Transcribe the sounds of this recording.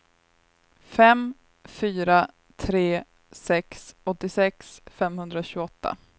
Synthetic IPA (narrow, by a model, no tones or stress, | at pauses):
fɛm | fyːɾa | t̪ʰɾeː | sɛksɔt̪ːɪsɛksfɛmhɵnd̪ɾaɕʉːɡɔt̪ːa̰